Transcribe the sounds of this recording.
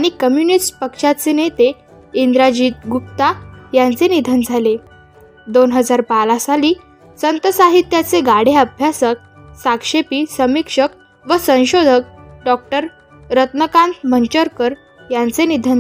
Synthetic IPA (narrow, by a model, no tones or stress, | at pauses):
aɽ̃ikəmjunisʈpəkʂat͡senet̪e | ind̪ɾad͡ʑiːt̪̚ɡup̚t̪ajant͡senid̪ʱənd͡zʱale | d̪onɦəd͡zaɾpalasaliː | sənt̪əsaɦit̪jat͡seɡaɽ̤eəbʱjasək̚ | sakʂepiːsəmikʂək | ʋəsə̃w̃ɕod̪ʱək̚ɖɔk̚ʈəɾː | ət̪nəkãnt̪mənt͡ɕəɾkəɾ | jant͡senid̪ʱən